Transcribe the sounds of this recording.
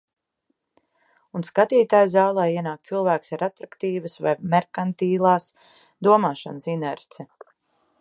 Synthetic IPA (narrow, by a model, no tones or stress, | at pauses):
unskat̪iːt̪aːjzaːlˠɛjiɛnaːk̚t̪silˠvæːksaɾat̪ɾakt̪iːvəsva̰jmɛɾkant̪iːlˠaːs | d̪uɔmaːʃansinɛɾt̪sɛ